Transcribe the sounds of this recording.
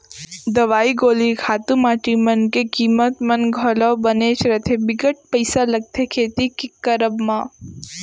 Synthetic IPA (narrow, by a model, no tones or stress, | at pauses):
d̪ɐʋaːiɡoːlikʰaːt̪umaːʈimɐnkekiːmət̪mɐnɡʱɔːlabɐneːʃɾɐt̪ʰebɪɡəʈ̚pɐɪsalɐɡ̚t̪ʰekʰeːt̪ikikːɐɾəbmãː